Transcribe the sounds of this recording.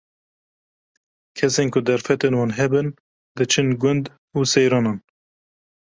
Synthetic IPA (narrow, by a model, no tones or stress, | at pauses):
kʰɛseːnkʊd̪ɛɾfɛt̪enwɑːnɦɛbɨn | d̪ɨt͡ʃʰɨnɡʊnd̪ | uːsɛjɾɑːnɑːn